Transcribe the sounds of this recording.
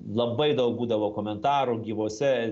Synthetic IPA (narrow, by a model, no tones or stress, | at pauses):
lˠɐbɐɪd̪ɐʊk̚buːd̪ɐʋoːkoːmʲɛnt̪ɑːɾuɡʲiːʋoːsʲɛ